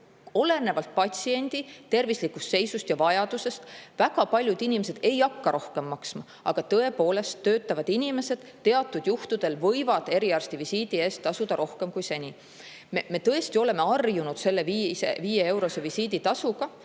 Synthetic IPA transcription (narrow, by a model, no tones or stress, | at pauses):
o̞le̞ne̞vɑlt̪̚pɑt̪ʲsie̞nʲd̪̥it̪e̞rvislikːust̪se̞jsust̪jɑvɑjɑd̪̥use̞st̪væɡ̥ɑpɑlʲjud̪inʲimese̞d̪̥e̞jɑkːɑɾʔo̞hke̞mːɑksmɑ | ʔɑ̰ɡ̥ɑt̪ɤ̞e̞po̞ːle̞st̪ːøːt̪ːˑɑvɑd̪̥inʲime̞se̞d̪̥t̪ːe̞ɑt̪ːˑud̪̥juht̪ud̪̥e̞lvɤ̞jvɑd̪̥e̞ɾiɑrst̪ivisiːd̪̥ie̞ːst̪t̪ːɑsud̪̥ɑɾʔo̞hke̞mkujse̞nʲi | meme̞t̪ɤest̪io̞le̞me̞ɑrjunud̪̥se̞lːevieviːjee̞wɾo̞se̞visiːd̪it̪ɑsuɡ̥ɑ